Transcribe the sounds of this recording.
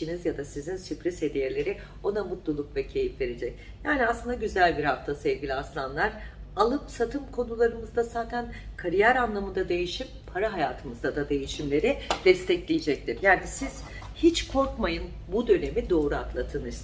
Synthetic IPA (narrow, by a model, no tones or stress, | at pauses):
it͡ʃinizjad̪asizinsypɾishe̞d̪ijeɾlʲe̞ɾɪ | o̞d̪amut̪lˠulˠukvɛcʰe̞jifve̞ɾed͡ʒɛc | jaːniaslˠɯnd̪aɟyzælʲbiɾhaft̪ʰasɛvɟilʲiaslˠanlˠaɾ̥alˠɯpsat̪ʰɯmkʰo̞nulˠaɾɯmɯzd̪asaːt̪ʰænkʰaɾijæɾanlˠamɯnd̪ad̪e̞jiʃimpʰaɾaɦajaːt̪ʰɯmɯzd̪ad̪ad̪e̞jiʃimlʲe̞ɾɪd̪̥ɛst̪ʰɛclʲijed͡ʒɛc̚t̪ʰiɾjaːnisiz̥ | hit͡ʃkʰo̞ɾkmajɯn | bud̪ø̞ne̞mid̪o̞ːɾuak̪lˠat̪ʰɯnɯɾ